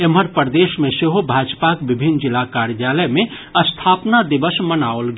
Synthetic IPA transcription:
eməɾpəɾd̪eːʃmẽseɦobʱaːd͡ʒpakʋɪbʱɪnd͡ʒɪlakaːɾjaːləjmẽ | ɐst̪ʰaːpnad̪ɪʋəsmənaːolɡ

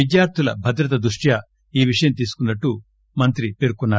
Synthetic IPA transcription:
id̪jaːɾt̪ʰulɐ̰bʱɐd̪ɾɐt̪̬ɐd̪ɾuʂʈjɐ | iːʋiʂɐjɐmt̪̬iːsu̥kunːɐʈːu | mɐnt̪ɾipeɾukunːaː

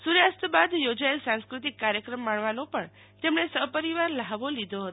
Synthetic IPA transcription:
suɾjast̪bad̪jod͡ʒaelsãŋskɾut̪̬ikːaɾjəkɾəmːaɳʋanopəɳ | t̪emɳesəɦpəɾiʋaɾləɦaʋolid̪ʱoɦət̪

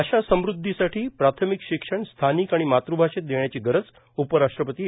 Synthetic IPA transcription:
əɕasəmɾud̪ʱːisaʈʰiːpɾat̪ʰəmikɕikʂəɳst̪ʰanikaɽ̃imat̪ɾubʱaʂet̪̚d̪eɳjat͡ɕiːɡəɾət͡s | upəɾaʂʈɾəpət̪iː

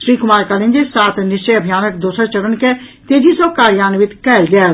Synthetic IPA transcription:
ʃɾiːkʊmaːɾkəlĩnd͡ʒisaːt̪ʰnɪʃt͡ʃəjəbʱijaːnəkd̪oːsəɾt͡ʃəɾənket̪eːd͡ʒʱisokaːɾjaːnʋɪt̪kɛːlɡɛl

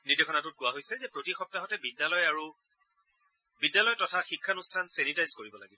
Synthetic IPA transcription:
nidekʰɔnatʊt̚kʊwaɦojsɛzɛpɹotixɔp̚taɦɔtɛbidjalɔjaɹu | bidjalɔjtɔtʰaxikʰːanustʰansenitajzkoɹibɔla̰ɡibɔ

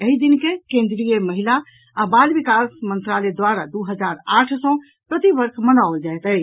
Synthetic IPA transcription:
əɦid̪inkekẽnd̪ɾijeməɦilaː | balbikasmə̃nt̪ɾaled̪waɾad̪uɦəd͡ʒaɾaʈʰsɔ̃ | pɾət̪ibəɾkʰmənaold͡ʒajt̪əj

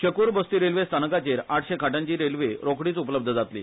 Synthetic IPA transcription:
ɕəkuːɾbəst̪iːɾelʋest̪ʰanəkat͡ɕeɾaʈʰɕekʰaʈãɲt͡ɕiːɾelʋeɾokɽiːt͡supləb̚d̪ʱəd͡zat̪lḭ

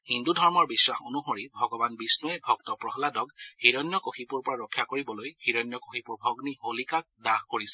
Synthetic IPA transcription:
hindudʱɔɹmɔɹbisɹaxo̰nuxoɹibʱɔɡɔbanbisnɔɛbʱɔɡtɔpɹɔɦɔladɔɡhiɹɔnjɔkoxipuɹpɔɹaɹɔkʰːjakoɹibɔlojhiɹɔnjɔkoxipuɹbʱɔɡniɦolikak̚daxkoɹisɛ̥

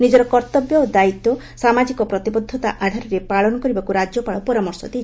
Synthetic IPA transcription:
nid͡ʒɔɾɔkɔɾt̪ɔbjɔod̪ait̪ːɔ | samad͡ʒikɔpɾɔt̪ibɔd̪ʱːɔt̪aʔad̪ʱaɾɔɾepaɭɔnɔkɔɾibakuɾad͡ʒjɔpaɭɔpɔɾamɔɾsɔd̪i

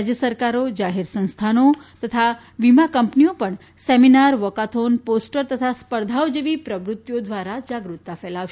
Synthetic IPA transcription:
d͡ʒjəsəɾkaɾod͡ʒaɦeɾsə̃w̃st̪ʰanot̪ət̪ʰa | ʋimakəmpniopəɳ | sɛminaɾʋəkat̪ʰonposʈəɾt̪ət̪ʰaspəɾd̪ʱaod͡ʒeʋipɾəʋɾut̪ːjod̪ʋaɾad͡ʒaɡɾut̪ːafɛlaʋʃ

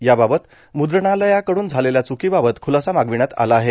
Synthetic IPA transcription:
jababət̪ | mud̪ɾɳaləjakəɽuːnd͡zʱaleljat͡sukibabət̪kʰulasamaɡʋiɽ̃at̪a̰laːɦe

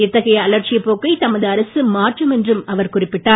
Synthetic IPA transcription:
ɪt̪ːɐɣɐjɐːlɐɾt͡ʃɪjɐpːoːkːɐɪt̪ɐmɐðɯɐɾɐsɯmaːʈrɯmɛndrɯmɐʋɐɾkʊrɪpːɪʈːaː

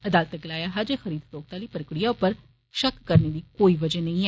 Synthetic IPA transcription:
əd̪aːlət̪ɛkɪlaːjaːɦaːd͡ʒeːxəɾiːd̪t̪oːk̚t̪aːliːpəɾkɽijaːʊpːəɾ | ʃəkːəɾneːd̪iːkoːiːʋəd͡ʒɛnə̃ĩːɛː

